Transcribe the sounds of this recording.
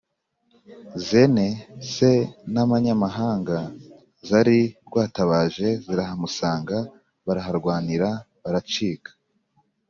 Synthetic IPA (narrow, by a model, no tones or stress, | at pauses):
zenese̞naβaɲamaɦaːŋɡa | zaɾiɾɡwaːtaβaːʒe̞ziɾaɦamusaːŋɡa | βaɾaɦaɾɡwaːniɾa | βaɾat͡ʃiːkḁ